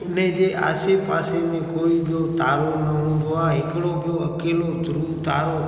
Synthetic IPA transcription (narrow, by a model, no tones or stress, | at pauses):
əned͡ʒea̰sepasemẽkoibjot̪aɾonəɽubʱoaɦekəɽobjoəkelot̪ɾut̪aɾo